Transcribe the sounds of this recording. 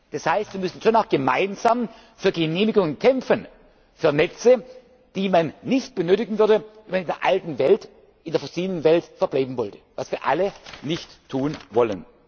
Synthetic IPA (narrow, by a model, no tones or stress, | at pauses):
d̥ashaɪstv̥iɐmʏsn̩ʃoːnaʊxɡ̥əmaɪnzaːm | fyːɐɡəneːmɪɡʊŋənkʰɛmfən | fyːɐnɛt͡sə | d̥iːmanːɪçt̚b̥ənøːtɪɡn̩vʏɐdəvɛnmanɪndeːɐʔaltn̩vɛlt | ɪndeːɐfoɐsiːlənənvɛltfɛɐb̥laɪbm̩vɔltə̥vasv̥iːɐʔa̰lənɪçttʰːuːnvɔlən